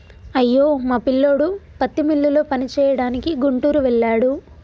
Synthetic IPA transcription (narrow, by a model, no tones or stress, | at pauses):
ɐjːo̞ːmaːpilːo̞ːɽupɐt̪ːimilːulo̞ːpɐnit͡ʃɛːjɐɽaːnikiɡuɳʈuːɾuʋɛɭːaːɽu